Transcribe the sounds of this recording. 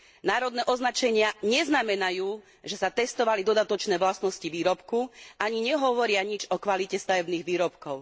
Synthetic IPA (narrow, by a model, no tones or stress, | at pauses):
naːɾɔd̪nɛːʔɔznat͡ʃɛɲɪaɲɛznamɛnajuː | ʒɛsat̪ɛst̪ɔʋalid̪ɔd̪at̪ɔt͡ʃnɛːʋlasnɔsciʋiːɾɔpkuʔaɲiɲɛɦɔʋɔɾɪaɲid͡ʒɔkʋalicɛst̪aʋɛbniːɣʋiːɾɔpkɔʊ